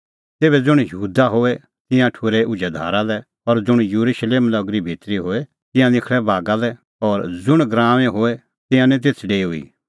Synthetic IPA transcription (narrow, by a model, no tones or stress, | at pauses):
t̪eːbɛd͡zʊɽ̃juːd̪aɦoːɛ | t̪ɪ̃jãʈʰʊɾeʔʊd͡ʒad̪ʱa̰ːɾalɛ | ɔɾd͡zʊɽ̃juɾuʃleːmlɐɡɾibʱit̪ɾiɦoːe | t̪ɪ̃jãnɪkʰɽɛbʱaːɡalɛ | ɔːɾd͡zʊɽ̃ɡɾãːʋẽɦoːɛ | t̪ɪ̃jãnɛ̃t̪̬eːt̪ʰɖeːʊḭ